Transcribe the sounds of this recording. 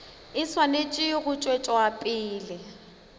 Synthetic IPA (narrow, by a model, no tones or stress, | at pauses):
ɪswanet͡ʃʼɪɣʊt͡ʃʼwet͡ʃʼɔapʼiːlɪ